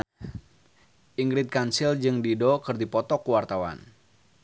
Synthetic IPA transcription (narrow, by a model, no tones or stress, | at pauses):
ʔiŋɡɾɪt̪̚kansild͡ʒɨŋdidokɨrdipɔt̪ɔkuwart̪awa̰n